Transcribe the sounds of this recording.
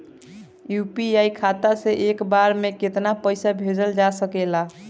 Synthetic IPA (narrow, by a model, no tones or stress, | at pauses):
jupiajkʰat̪aseʔekbaɾmeket̪napəjsabʱed͡ʒəld͡ʒasəkela